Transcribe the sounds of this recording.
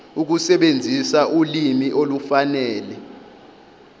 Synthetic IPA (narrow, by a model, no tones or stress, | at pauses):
uk̬usɛɓend͡zʱisaʔulimiʔolufanɛːlɛ